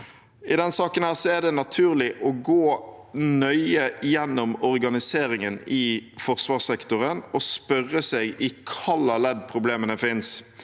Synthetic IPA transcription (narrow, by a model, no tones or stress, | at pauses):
ɪd̪ɛnsɑːkənhæːʁsɔæd̪ɛnɑt̪ʰʉːʁlɪʔɔɡoːnœʏəjɛnːɔmɔʁɡɑnɪseːɾɪŋənɪfɔʁsʋɑːʁsɛkt̪ʊʁənɔspœɾːəsɛɡɪkʰɑlːɑlɛd̪̚pʰɾʊbleːmənəfɪns